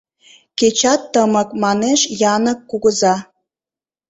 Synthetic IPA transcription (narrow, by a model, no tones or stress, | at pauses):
ket͡ɕɑt̪ːəməkmɑneʃjɑnəkːuɣəzɑ